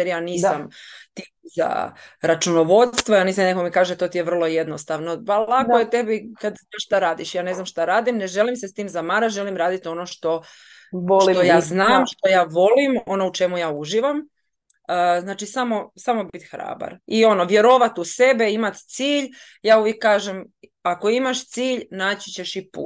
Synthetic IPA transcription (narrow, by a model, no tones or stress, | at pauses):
eɾjaːniːsamt̪iza̰ɾat͡ʃunoʋo̞d̪st̪ʋojaniːs̬amnekomikaːʒet̪o̞ːt̪ijeʋr̩lˠo̞je̞d̪nost̪aʋnopalakojet̪e̞bikad̪naʃt̪aɾaːd̪iʃjaːne̞znamʃt̪aɾaːd̪imneʒe̞limsest̪iːmzamaɾaʒe̞limɾaːd̪it̪o̞noʃt̪o̞ | ʋolit̪ojaːznaːmʃt̪o̞jaːʋo̞limo̞nout͡ʃe̞mujaːuʒiːʋam | əznaːt͡ʃisamo̞samo̞bit̪xɾa̰ːba̰ɾio̞noʋje̞ɾo̞ʋat̪use̞be̞imat̪t̪siːʎ | jaːuʋjekːaːʒem | ako̞imaʃt̪siːʎnaːt͡ɕi̥t͡ɕe̞ʃipṵːt̪